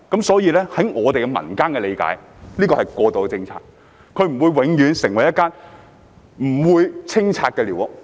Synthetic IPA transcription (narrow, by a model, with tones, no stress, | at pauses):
kɐ˨˥msɔː˨˥jiː˨˧lɛː˥hɐ˨˥jŋɔː˨˧t̪e˨jkɛ˧mɐ̰˨˩nkaː˥nkɛ˧le˨˧jka̰ː˨˥j | liː˥kɔː˧hɐ˨jkɔː˧t̪o˨˧wt͡sɪ˧ŋt͡sʰa̰ː˧t̚ | kʰɵ˧ɥm̩˨˩wuː˨˧jwɪ˨˥ŋjyː˨˧nsɪ˨˩ŋwɐ˨˩jːɐ˥t̚kːaː˥n | m̩˨˩wuː˨˧jt͡sʰɪ˥ŋt͡sʰaː˧t̚kɛː˧liː˨˩wʊ˨˩k̚